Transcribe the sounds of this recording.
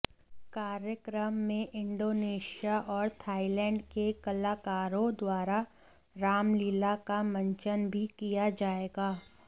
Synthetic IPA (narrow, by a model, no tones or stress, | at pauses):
kaːɾjəkɾəmːẽʔɪ̃ɳɖoːneːʃijaʔɔːɾt̪ʰaːilɛ̃ːɳɖkekɐlaːkaːɾõd̪waːɾa | ɾaːmliːlakamɐ̃ɲt͡ʃənbʱikijad͡ʒaːeːɡaː